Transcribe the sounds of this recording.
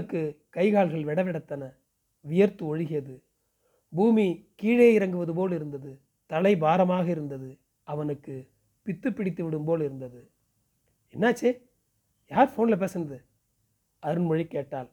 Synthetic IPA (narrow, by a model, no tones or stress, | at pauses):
ɯkːɯkɐɪɣaːɭɣɐɭʋɛɽɐʋɪɽɐt̪ːɐnɐ | ʋʊjɐɾt̪ɯɔɻɯɣɪjɐðɯ | buːmikiːɻeːɪɾɐŋɡɯʋɐðɯpoːɭɪɾɯnd̪ɐðɯ | t̪ɐlɐɪbaːɾɐmaːɣɐɪɾɯnd̪ɐðɯ | ʔɐʋɐnɯkːɯ | pɪt̪ːɯpːɪɽɪt̪ːɯʋɪɽɯmboːɭɪɾɯnd̪ɐðɯ | ɛnːaːt͡ʃːe | jaːɾfoːnlɐp̬eːsɪnɐðɯ | ɐɾɯnmɔɻikːeːʈːaːl